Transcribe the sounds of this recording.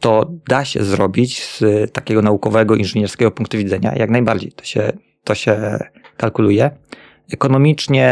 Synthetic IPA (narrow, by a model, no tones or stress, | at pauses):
t̪ɔd̪aɕɛ̰zɾɔbʲit͡ɕst̪akʲɛɡɔnaukɔvɛɡɔinʐɘɲɛɾskʲɛɡɔpuŋk̚t̪uvʲid̪zɛɲa̰jaɡnajbaɾd͡ʑḛjt̪ɔ̥ɕɛ̰ | t̪ɔɕɛkalkulujɛ | ɛkɔnɔmʲit͡ʂɲɛ